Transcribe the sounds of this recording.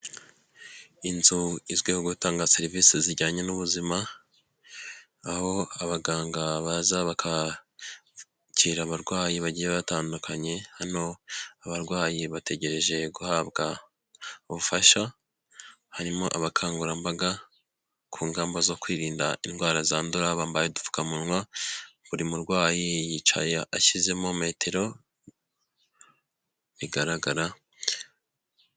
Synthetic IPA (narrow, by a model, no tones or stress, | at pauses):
inzuizɡwehoɡutaːŋɡaseɾiviːsiziɾɟaːɲe̞nuβuzima | ho̞aβaɡaːŋɡaβazaβakʰa | ciːɾaβaɾɡwaːjiβaɟiːjeβataːndukʰaɲe̞haɾino̞aβaɾɡwaːjiβate̞ɟe̞ɾe̞ʒe̞ɡuhaːbɡa | uβufaʃa | haɾimo̞ʔaβakʰaːŋɡuɾambaɡa | kʰuːŋɡaːmbozo̞kwiːɾiːnda̰ʔinɡwaːɾazaːnduɾaβaːmbajedu̥fu̥kamunwaβuɾimuɾɡwaːjijit͡ʃa̰jaʔaʃize̞mome̞ːtʰe̞ɾo̞ | βiɡaɾaɡaɾa